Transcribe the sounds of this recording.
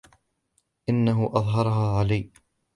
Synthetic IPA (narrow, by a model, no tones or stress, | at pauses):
ʔɪnːaɦʊʔɑðˤɦɑɾˤɦaːʕalaj